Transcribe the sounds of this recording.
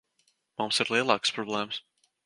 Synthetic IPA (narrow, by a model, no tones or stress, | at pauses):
mumsiɾlˠiɛlˠɑːkspɾɔblˠɛːms